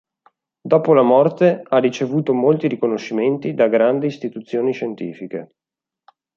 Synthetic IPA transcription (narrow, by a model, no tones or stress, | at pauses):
d̪ɔːpolamɔrt̪earit͡ʃevuːt̪omolt̪iɾikonoʃːiment̪id̪aɡɾand̪iːst̪it̪ut̪sːjoːniʃent̪iːfike